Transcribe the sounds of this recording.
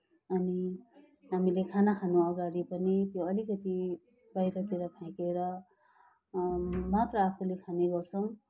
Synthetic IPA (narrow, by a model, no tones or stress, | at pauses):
ʌni | ɦamilekʰanakʰanoʌɡaɽipʌnit̪joʌlikʌt̪i | bajɾʌt͡siɾʌkʰãikeɾʌ | mat̪rʌːpʰulekʰaneɡʌrt͡sʰʌw̃